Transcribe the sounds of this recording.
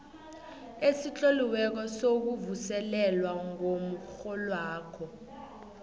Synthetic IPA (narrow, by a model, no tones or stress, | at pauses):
esit͡ɬʼoliwɛk̬ɔsok̬uvusɛlɛlwaŋomuxɔlwaːkʰɔ